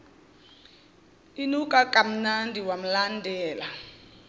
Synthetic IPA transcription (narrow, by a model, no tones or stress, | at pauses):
inukʼakʼam̩nandʱiwam̩landʱɛːla